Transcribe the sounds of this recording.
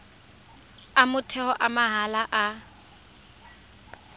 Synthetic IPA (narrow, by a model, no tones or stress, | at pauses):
amʊtʰɛhɔʔamaɦalaʔa